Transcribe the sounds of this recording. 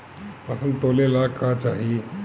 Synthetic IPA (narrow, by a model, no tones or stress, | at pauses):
pəsənd̪t̪olelakat͡ʃaɦi